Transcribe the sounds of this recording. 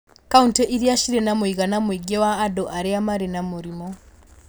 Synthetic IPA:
kauntɛʔiɾjaʃiɾenamwiɣanamwiɡewaːdoʔaɾeamaɾenamuɾimɔ

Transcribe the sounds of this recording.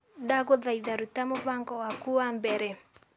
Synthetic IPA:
daɣoðaiðaɾutamoβaŋɡɔwakuambɛɾɛ

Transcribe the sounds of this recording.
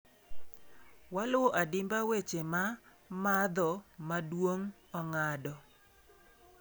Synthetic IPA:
walwoʔadɪmbawet͡ʃema | mad̪ɔmadwoŋ | ɔŋadɔ

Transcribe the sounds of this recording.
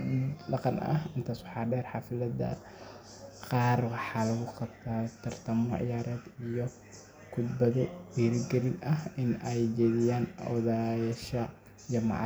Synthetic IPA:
ɗɑqɑnɐ̰ɦɪnt̪ʰaːswɑħɑːɖɛːrħɑfɪlɐd̪ɐ̰ | qɑːrwɑħɑːlɐɣʊqɑbt̪ʰaːt̪ʰɐrt̪ʰɐmɔʕɪ̰jaːɾɛːd̪ijɔ | kʰʊd̪bɐðɛbiːɾɪɡɛɾɪnɐɦɪnɛjt͡ʃɛːðɪjaːnðajɐʃɐ | d͡ʒɑmɑ̰ʕ

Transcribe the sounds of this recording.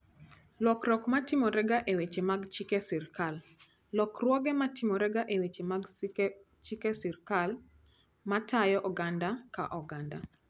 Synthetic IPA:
lɔkrɔkmatimɔɾɛɡaʔewet͡ʃemaɡt͡ʃikesirkalː | ɔkrwɔɡɛmatɪmɔɾɛɡaʔewet͡ʃemaɡ | t͡ʃikesirkal | matʰajɔʔɔɡandakaʔɔɡanda̰

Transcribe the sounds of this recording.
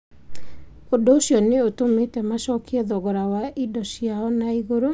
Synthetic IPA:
odoːɕjɔneotometɛmaʃɔkʰiɛðɔɣɔɾawaʔidɔsiaɔnaiɣoɾo

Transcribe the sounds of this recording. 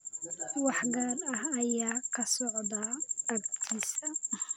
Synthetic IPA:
wɑħɡaːrɐhɐjaːkʰɐsɔʕd̪ḁɐɡ̚t̪ʰiːsɐ

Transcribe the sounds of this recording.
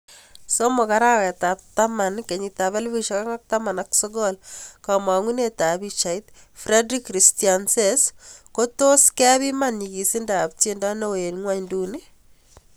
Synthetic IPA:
somokaɾakɛtap̚tamankeɲitaβelbiʃɔkaŋak̚tamanaksoɡɔlkamaŋunetabit͡ʃaitfɾedɾikːɾistianseskotoskɛβimanɲikisindap̚tendanowenŋwaɲnduni

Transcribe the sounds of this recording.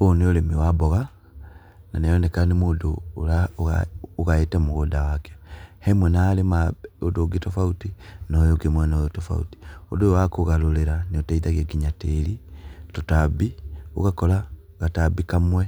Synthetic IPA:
oneolemiwabɔɣa | nanejɔnekanemodoːlaɣa̰oɣaetɛmuɣodawake̥hemwɛnaːlemaodoɡetofautinojoɡemwanoðotofa̰ṵti̥odojowakoɣaloleɾaneotaiðaɣeɡiɲatelitotabio̰ɣakɔla | ɣatabikamwɛ

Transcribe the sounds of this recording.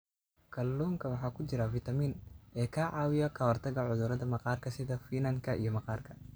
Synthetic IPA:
kʰɐlːuːŋkʰɐwɑħɑːkʰʊt͡ʃɪɾɐfɪt̪ʰɐmiːnʔɛːkʰɐʕɑːwɪjɐkʰɐwɐrt̪ʰɐɣɐʕʊðʊɾɐðɐmɐqɑːrkʰɐsɪðɐfiːnɐŋkʰɐʔḭjɞmɐqɑːrkʰɐ

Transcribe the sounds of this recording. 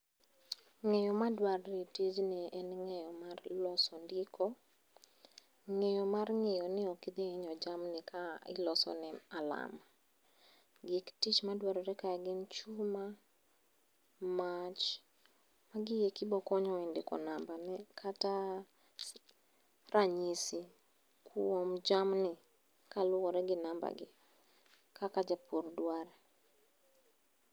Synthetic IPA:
ŋɛjɔmadwaɾɾeted͡ʒnɛɛnŋɛjɔmarlɔsɔndɪkʰɔ | ŋejɔmarŋɛjɔnɪɔkid̪eɪɲɔd͡ʒamnɪkaɪ̰lɔsɔ̰nɛala̰ma | ɡektit͡ʃmadwaɾɔɾɛkaaɡɪnt͡ʃuma | mat͡ʃ | maɡɪjekɪbɔkɔɲɔindɪkɔ̰nambanɛkʰata | ɾaɲisi | kʰuɔmd͡ʒamnɪ | kalʊɣɔɾɛɡɪnamba̰ɡɪ̰ | kakad͡ʒapuɾdwaɾɛ

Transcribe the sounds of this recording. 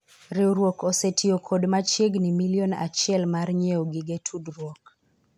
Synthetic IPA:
ɾewɾwɔkɔsetiɔkʰɔdmat͡ʃeɡnimiliɔna̰t͡ʃɛlmarɲɛɔɡiɡetʰudɾwɔk̚

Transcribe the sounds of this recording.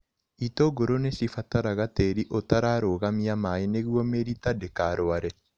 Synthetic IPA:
itoɡoɾonesifataɾaɣateɾiʔotaɾaɾoɣamiamaeneɣwɔmeɾitadekaɾoaɾɛ

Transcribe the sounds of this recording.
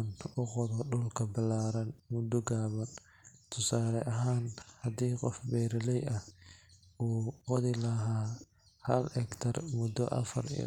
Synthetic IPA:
nʊqɔðɔɖʊlkʰɐbɪlaːɾɐnmʊd̪ɔɡaːβɐn | t̪ʰʊsaːlɛʔɐɦaːnhɐd̪iːqɔfbɛːɾɪlɛjɐh | uːqɔðɪlɐɦaː | hɐlhɛkt̪ʰɐrmʊd̪ɔ̰ʔɐ̰fɐ̰rḭ

